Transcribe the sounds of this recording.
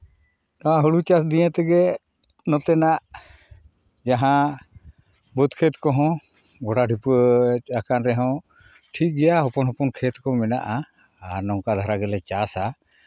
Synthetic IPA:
nɔaɦuɽut͡ʃasd̪ijɛ̃t̪ɛɡɛ | nɔt̪ɛnaʔ | d͡ʒaɦã | but̪kʰɛt̪kɔɦɔ̃ | ɡɔʈaɖʱipakanɾɛɦɔ̃ | ʈʰik̚ɡɛjaɦɔpɔnɦɔpɔnkʰɛt̪kɔmɛna̰ʔaː | ɾnɔŋkad̪ʱaɾaɡɛlɛt͡ʃasa

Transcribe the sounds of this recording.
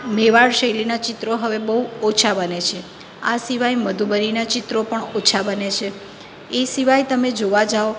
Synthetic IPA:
meʋaɭʃəjlinat͡ʃɪt̪ɾoɦəʋebəɦuot͡ʃʰabənet͡ʃʰe | asiʋajməd̪ʱubəɾinat͡ʃɪt̪ɾopəɳot͡ʃʰabənet͡ʃʰe | esiʋajt̪əmed͡ʒoʋad͡ʒao

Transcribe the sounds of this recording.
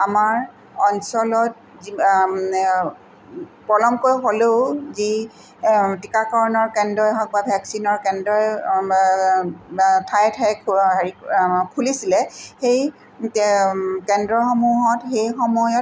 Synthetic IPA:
amaɹ | ɔnsɔlɔt̚ | zi | pɔlɔmkojɦoleʊzi | tikakɔɹɔnɔɹkɛndɔjɦɔk̚babʱɛksinɔɹkɛndɔj | tʰajtʰɛkʰikʰulisilɛxej | kɛndɹɔxɔmuɦɔtxejxɔmɔjɔt

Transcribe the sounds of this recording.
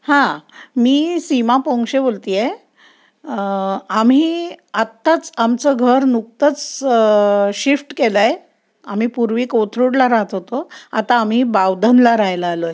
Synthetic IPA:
hãmiːsimapɔŋkɕebolt̪ije | am̤iːat̪ːat͡samt͡səɡʱəɾnuk̚t̪ət͡s | ɕifʈkelaj | am̤iːpuɾʋiːkot̪ʰɾuɽlaɾaɦət̪ɦot̪oa̰t̪aːm̤ibaʋd̪ənlaɾajlaaloje

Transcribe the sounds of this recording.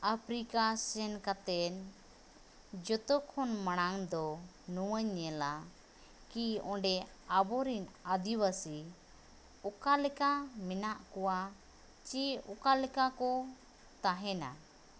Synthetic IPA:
apʰɾikasɛnkat̪ɛn | d͡ʒɔt̪ɔkʰɔnmaɽ̃aŋd̪ɔ | nuwəɲɛla | kiɔ̃ɖɛ | abɔɾinad̪iwasi | ɔkalɛkamɛnaʔkɔwa | t͡ʃiɔkalɛkakɔ | t̪aɦɛna̰

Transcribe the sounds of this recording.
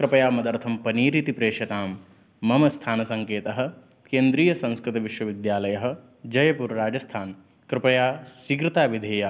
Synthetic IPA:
kɾɪpɐjaːmɐd̪ɐɾt̪ʰɐmpɐniːɾit̪ipɾeːʃɐt̪aːmː | ɐmɐst̪ʰaːnɐsɐŋkeːt̪ɐɦɐ̆ | keːnd̪ɾiːjɐsɐ̃nskɾɪt̪ɐʋiʃwɐʋid̪jaːlɐjɐɦɐ̆ | d͡ʒɐjɐpuɾɾaːd͡ʒɐst̪ʰaːn | kɾɪpɐjaːsikɾɪt̪aːʋid̪ʱeːja

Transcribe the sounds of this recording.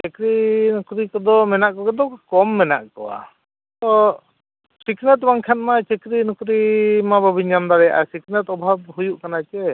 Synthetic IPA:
t͡ʃɛkɾinɔkɾikɔd̪ɔmɛnaʔkɔkɔd̪ɔkɔmːɛna̰ʔkɔ̰wa̰ | t̪ɔ | siknɛt̪baŋkʰɛnmat͡ʃɛkɾinɔkɾimabɔbʱiɲand̪aɾɛjaʔa̰siknɛt̪ɔbʱab̚ɦujuʔkanat͡ʃɛ

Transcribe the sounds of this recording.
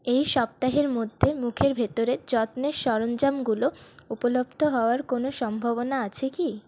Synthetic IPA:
ejʃɔp̚t̪aɦeɾmod̪ʱːemukʰeɾbʱet̪oɾed͡ʑɔt̪neʃɔɾond͡ʑamɡuloupolobt̪oɦɔoaɾkonoʃɔmbʱaβonaat͡ɕʰeki

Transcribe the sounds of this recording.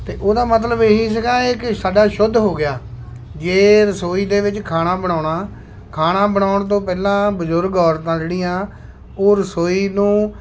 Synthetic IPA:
t̪eːʔoːd̪aːmət̪̬ləbɦiːsəkãːɪksaːɖaːʃʊd̪ʱɦoːɡɪjaː | d͡ʒeːɾəsoːiːd̪eːʋɪt͡ʃkʰaːnãːbəɽ̃aːʊɳaː | kʰaːnãːbəɳaːʊɳt̪̬õːpɛːlãːbəzʊɾɡɔːɾt̪ãːd͡ʒeːɽiːãː | oːɾəsoːiːnũː

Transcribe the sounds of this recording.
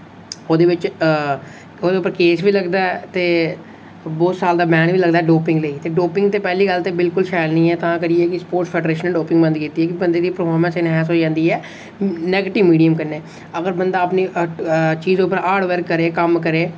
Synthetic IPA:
oːd̪eːʋɪt͡ʃ | oːd̪eːʊpːəɾkeːsʋiːləɡd̪aɛt̪eː | boːsaːld̪aːbɛːnʋiːləɡd̪aːɛːɖoːpɪ̃ŋɡleːit̪eːɖoːpɪ̃ŋɡt̪eːpɛːliːɡəlt̪eːbɪlkʊlʃaːəlnĩːɛːt̪ãːkəɾiɛːkɪspoːɾʈpʰɛːɖɾeːʃənːɖoːpɪ̃ŋɡbə̃nd̪kiːt̪iːɛːkɪbənd̪eːd̪iːpəɾfʰɔːɾmə̃nsɪnɦɛːsɦoːd͡ʒãːnd̪iːɛː | nɛːɡeːʈɪʋmiːɖijəmkəneː | əɡəɾbənd̪aːəpni | t͡ʃiːzd̪eʊpːəɾaːɖʋəɾkːəɾeːkəmkəɾeː

